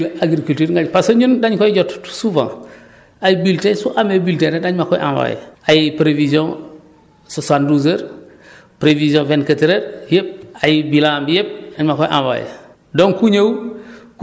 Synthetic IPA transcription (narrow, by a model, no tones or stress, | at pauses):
aɡɾikultiːɾŋɡapasoɲundaɲkɔjiɟɔtsuvã̰ | ajbiltesuʔamebiltenedaɲmakɔjʔã̰va̰j̰ajipɾevizjɔ̃ | sosanduzeɾ | pɾevizjɔ̃vɛnkətiɾeɾjep̚ajibilãmbijep̚aɲmakɔjʔã̰va̰j̰ | dɔŋkuɲaw